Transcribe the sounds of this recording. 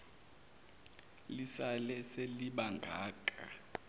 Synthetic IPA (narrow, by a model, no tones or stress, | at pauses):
lisalɛseliɓaŋɡʱaːkʼa̰